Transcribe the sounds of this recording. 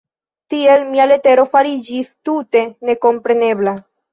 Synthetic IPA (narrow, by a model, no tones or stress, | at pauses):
t̪ielmialet̪eɾofaɾid͡ʒist̪ut̪e̞ne̞ko̞mpɾeneβla